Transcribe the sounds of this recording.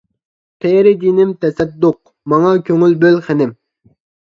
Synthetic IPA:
qʰeɾɪd̪inɪmt̪ʰɛsɛt̪̚d̪oq̚ | mɑŋɑkʲʰøŋylbølχɛnɪm

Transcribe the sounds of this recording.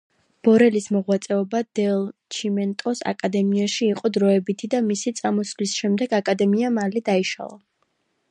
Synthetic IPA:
b̥ɔɾɛlismɔʁwat̪sʼɛɔbad̪̥ɛlˠt͡ʃʰimɛnt̪ʼɔsa̰kʼad̪ɛmiaʃiːqʼɔd̪ɾɔɛbit̪ʰid̪amisit̪sʼamɔsvlisʃɛmd̪ɛɡakʼad̪ɛmiamalid̪aiʃa̰lˠa

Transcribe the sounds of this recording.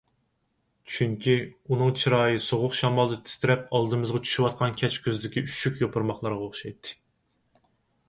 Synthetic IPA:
t͡ʃʰyŋkʲiunɨŋt͡ʃʰiɾɑːjɨsoʁʊqʃɑmɑlˠd̪ɨt̪ʰɪ̥st̪ɪɾɛp̚ɑlˠd̪ɨmɨzʁɑt͡ʃʰy̥ʃywɑt̪̚qʰɑnkʲʰɛt͡ʃkʲʰøzd̪ɪkʲiyʃykʲjopʰʊɾmɑχlˠɑɾʁɑoχʃɑjt̪ʰːɨ̥

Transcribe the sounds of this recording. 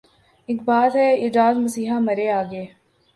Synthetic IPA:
ɪk̚baːt̪ɦɛiːd͡ʒaːd̪mɐsiːɦamɐɾeaːɡəeː

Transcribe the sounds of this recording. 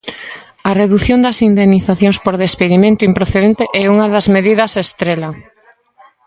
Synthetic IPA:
ɐreðuθjond̪ɐsind̪emniθaθjoŋspoɾðespeðimẽnt̪uimpɾoθeðẽnt̪eʔɛuŋɐðɐzmeðiðɐsest̪ɾelɐ

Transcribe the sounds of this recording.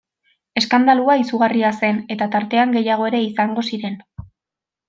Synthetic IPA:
e̞skand̪aluaisuɣariase̞ne̞t̪at̪aɾt̪e̞aŋɡe̞jaɣ̞o̞e̞ɾe̞isaŋɡo̞siɾe̞n

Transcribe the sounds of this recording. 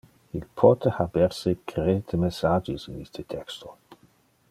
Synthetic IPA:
ilpʰɔt̪ʰehabeɾsekɾed̪əmesad͡ʒisinist̪ʰət̪ʰɛkst̪ʰo

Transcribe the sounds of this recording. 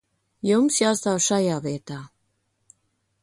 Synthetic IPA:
jumsjast̪awʃajaːviɛt̪aː

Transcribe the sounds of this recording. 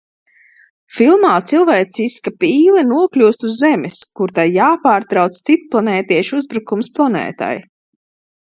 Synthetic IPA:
filˠmaːt̪silˠvɛjt̪siskapiːlˠɛnuɔklʲuːst̪uzːɛmɛskuɾt̪ajjaːpaːɾt̪ɾawt̪st̪sit̪plˠanɛːt̪iɛʃuzbɾukumsplˠanɛ̰ːt̪a̰j

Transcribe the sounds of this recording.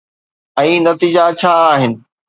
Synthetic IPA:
ɛ̃ːnɐt̪iːd͡ʑat͡ɕʰaːɦɪnɪ̆

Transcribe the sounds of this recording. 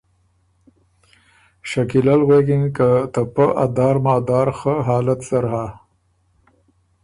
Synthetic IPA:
ʃakilalɣwekinkət̪apəʔa̰d̪ɑːɾmɑːd̪ɑːɾxəɦɑːlat̪saɾɦa

